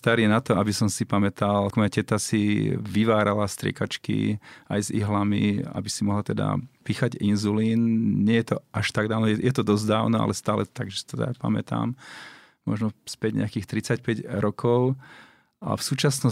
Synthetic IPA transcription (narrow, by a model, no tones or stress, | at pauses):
st̪aɾiɛnat̪ɔabisɔmsipamɛt̪almɔjacɛt̪asiʋiʋaːɾalast̪ɾɪɛ̰kat͡ʃkḭajzḭɦlamḭa̰bisimɔɦlat̪ɛd̪a̰piːxaɟinzuliːnɲɪɛjɛt̪ɔʔaʃt̪aɡd̪aːʊnɔjɛt̪ɔd̪ɔzd̪aːʊnɔa̰lɛst̪aːlɛtt̪aɡʒɛst̪ɛd̪a̰pa̰mɛ̰t̪a̰ːm | mɔʒnɔspɛɟɲɛ̰akiːxt̪ɾit͡sacpɛɟɾɔkʰɔʊ | ʔa̰fsuːt͡ʃasnɔ